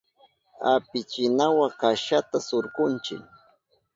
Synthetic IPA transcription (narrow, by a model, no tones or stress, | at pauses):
apɪt͡ʃɪnawakaʃat̪asoɾkʊnt͡ʃɪ̰ŋ